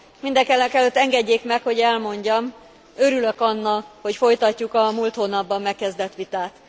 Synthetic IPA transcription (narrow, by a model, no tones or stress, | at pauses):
mind̪ɛkɛlɛkɛløt̪ːɛŋɡɛɟːeːkmɛkhoɟɛlmo̞ɲɟɒm | øɾyløkɒnːɒho̞cfo̞jt̪ɒcːukɒmult̪hoːnɒbːɒmːɛkːɛzd̪ɛt̪ʋit̪aːt̪